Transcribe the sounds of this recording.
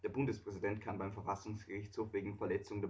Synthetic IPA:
d̥eːɐbʊndəspʁ̥ɛzidɛntkʰanbaɪmfɛɐfasʊŋsɡ̥əʁɪçt͡shoːfv̥eːɡŋ̩fɛɐlɛt͡sʊŋdeːɐ

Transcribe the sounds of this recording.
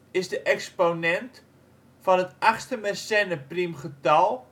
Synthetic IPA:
ɪsdəʔɛksponɛnt | fɔnətaχstəmɛrsɛnəprimχətɔlˠ

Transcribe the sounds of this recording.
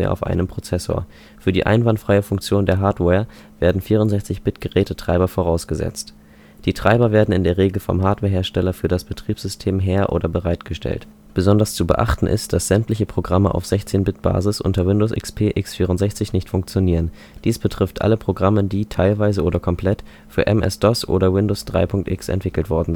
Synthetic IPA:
ḛɐa̰ʊfʔa̰ɪnəmpʁ̥ot͡sɛso̰ːɐ | fyːɐdiːʔa̰ɪnvantfʁ̥aɪəfʊŋk̚t͡sjoːndeːɐɦaɐtwɛːɐ | v̥eːɐdn̩fiːʁʊntzɛçt͡sɪçb̥ɪtɡ̥əʁɛːtətʁ̥aɪbɐfoʁaʊsɡ̥əzɛ̰t͡st | d̥iːtʁ̥aɪbɐveːɐdn̩ɪndeːɐʁeːɡl̩fɔ̰mɦaːɐtvɛːɐɦeːɐʃtɛlɐfyːɐɾasb̥ətʁ̥iːpz̥ʏstʰeːmɦeːɐʔo̰ːdɐbəʁaɪtɡ̥əʃtʰɛ̰lt | b̥əzɔndɐst͡subə̰ʔa̰χtn̩ʔɪ̰std̥asz̥ɛmtlɪçəpʁ̥oɡʁaməʔa̰ʊfz̥ɛçt͡seːnbɪt̚b̥a̰ːzɪsʔʊ̰ntɐwɪndoːsʔɪ̰kspʰeːʔɪksfiːʁ̞ʊntzɛçt͡sɪçnɪçtfʊŋkt͡sjoniːʁən | d̥iːsb̥ətʁ̥ɪftʔa̰ləpʁ̥oɡʁamədiːtʰaɪlvaɪzəʔoːɾɐkʰɔmpʰlɛt | fyːɐʔɛ̰mʔɛ̰sd̥ɔsʔo̰ːɾɐwɪndoːsd̥ʁa̰ɪpʰʊŋk̚tʔɪksɛ̰ntv̥ɪkl̩tv̥ɔɐdn̩

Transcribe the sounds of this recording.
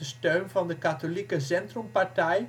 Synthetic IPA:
əstøɥnvɑndəkatolikəs̬ɛntrɔmpaɹtɛj

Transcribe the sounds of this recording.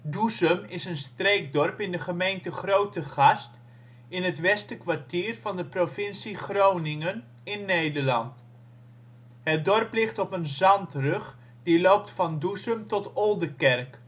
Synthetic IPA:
duzəmɪsənstrejk̚dɔrpɪndəχəmejntəχrowtəχɑst | ɪnɦətʋɛstəkʋaɹtiːrvɑndəprofɪnsiχrownɪŋən | ɪnːejdəlɑ̰nt | ɦət̚dɔrplɪχtɔpənzɑntrɵχ | dilowp̚tfɑndusəmtɔtɔlˠdəkɛrk

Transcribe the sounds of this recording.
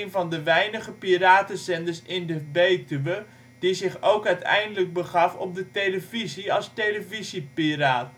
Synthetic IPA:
jnvɑndəʋɛjnəχəpiraːtəzɛndəɹsɪndəbejtyʋə | d̥izɪχowkœɥtɛ̰jndələɡ̚bəχɑfɔ̰p̚dətejləviziɑlˠstejləvizipiraːt

